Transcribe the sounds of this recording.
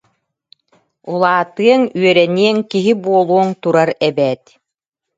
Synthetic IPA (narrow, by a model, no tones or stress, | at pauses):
ulˠaːt̪ɯɐŋyœɾɛniɛŋkiɦibuɔlˠuɔŋt̪uɾaɾɛbɛːt̪